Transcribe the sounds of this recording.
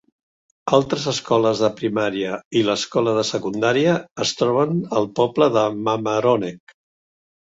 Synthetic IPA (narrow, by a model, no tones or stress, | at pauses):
alˠt̪ɾəzəskɔləzðəpɾimaɾiəiləskɔləðəsəkund̪aɾiəːst̪ɾɔβ̞ənəlˠpɔbləðəməməɾonɛk